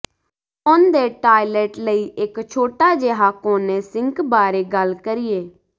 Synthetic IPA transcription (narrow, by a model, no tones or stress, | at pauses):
ʊnd̪eːʈaːɪleːʈləiːʔɪkt͡ʃʰoːʈaːd͡ʒeːɦaːkõːnesɪ̃ŋkbaːɾeːɡəlkəɾɪjeː